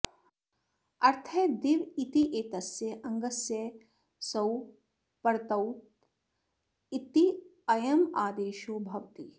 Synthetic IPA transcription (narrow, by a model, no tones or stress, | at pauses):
ɐɾt̪ʰɐd̪iʋit̪iʔeːt̪ɐsjɐʔɐŋɡɐsjɐ | sɐw | pɐɾt̪ɐwt | it̪i | ɐjɐmaːd̪eːʃoːbʱɐʋt̪i